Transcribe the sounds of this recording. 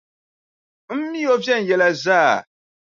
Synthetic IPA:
m̩˦mːi˦o˦vjɛ˦˨n̩˨jɛ˨la˨zaː˦˨

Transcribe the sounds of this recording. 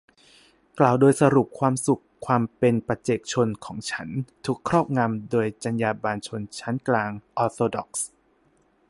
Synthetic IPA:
klaː˨˩wdoː˧jsa˧ɾu˨˩p̚kʰwaː˧msu˨˩kʰwaː˧mpe˧npɾa˧t͡ɕe˨˩k̚t͡ɕʰo˧nkʰɔː˩˦ŋt͡ɕʰa˦˥nt̪ʰu˨˩kʰːɾɔː˥˩p̚ŋa˧mdoː˧jt͡ɕa˧njaː˧baː˧nt͡ɕʰo˧nt͡ɕʰa˦˥nklaː˧ŋʔɔː˧t̪ʰoː˧dɔ̰˨˩k̚s

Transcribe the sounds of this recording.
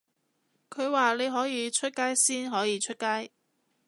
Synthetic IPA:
kʰɵ˨˧ɥwaː˨le˨˧jɦɔː˨˥jiː˨˧t͡ʃʰɵ˥t̚kaː˥jsiː˥nɦɔː˨˥jiː˨˧t͡ʃʰɵ˥t̚kaː˥j

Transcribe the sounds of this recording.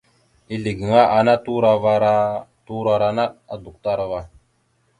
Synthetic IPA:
i˦li˨ɡi˨ŋa˦ʔa˨na˦tu˦ɾa˦va˦ɾa˦tu˦ɾa˨ɾa˨na˦a˦du˨kta˦ɾa˨va˦˨

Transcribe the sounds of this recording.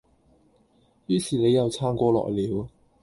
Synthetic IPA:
jyː˧˥siː˨˩ne˨˧jːɐ˨wt͡sʰaː˥ŋkʷɔː˧lɔ̰ː˨jliː˨˧w

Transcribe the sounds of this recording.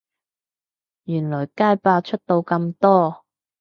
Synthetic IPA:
jyː˨˩nlɔː˨˩jkaː˥jpaː˧t͡ʃʰɵ˥t̚t̪o˧wkɐ˧mt̪ɔː˥

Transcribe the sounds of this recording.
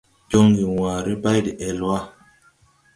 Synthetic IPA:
d͡ʒo˦ŋɡi˨wa˨ɾi˦ba˦jdi˨ʔɛ˨lwa˦

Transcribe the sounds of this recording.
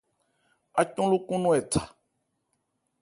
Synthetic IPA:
a˨cɔ̃˦lu˦kũ˦nũ˦ɛ˨tʰḁ˨

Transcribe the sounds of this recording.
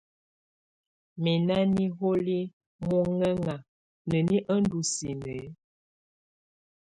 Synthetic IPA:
mi˨na˦ni˦ɦo˦li˦ | mu˦ŋə˦ŋa˨ | nə˨ni˦ʔə˦ndu˨si˨nə˨˦

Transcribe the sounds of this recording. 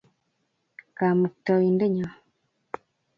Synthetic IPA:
kaː˨mu˨kta˨i˨nde˦ɲa˨

